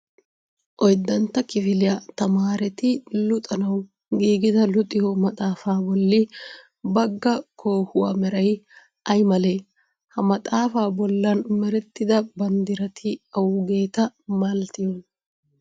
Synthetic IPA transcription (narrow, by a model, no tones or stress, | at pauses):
ʔɔjd̪ːɐnt̪ːɐkɪfɪlɪjɐt̪ɐmaːɾɛt̪ɪlʊt̪ʼɐnɐw | ɡiːɡɪd̪ɐlʊt̪ʼɪhɔmɐt̪ʼaːfaːbɔlːɪ | bɐɡːɐkʰoːhʊwa̰ːmɛɾɐj | ʔɐjmɐleː | hɐmɐt̪ʼaːfaːbɔlːɐnmɛɾɛt̪ːɪd̪ɐbɐnd̪ɪɾɐt̪ʰɪɐwʊɡe̞ːt̪ɐmɐlt̪ɪjɔn